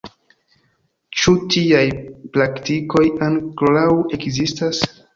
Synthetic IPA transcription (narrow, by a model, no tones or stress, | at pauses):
t͡ʃutʰiajplaktiko̞jaŋklawe̞kzistas